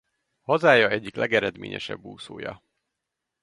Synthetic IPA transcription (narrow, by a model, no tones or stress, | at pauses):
hɒzaːjɒɛɟːiklɛɡɛɾɛd̪mḛːɲɛ̰ʃɛ̰bːuːsoːjɒ̰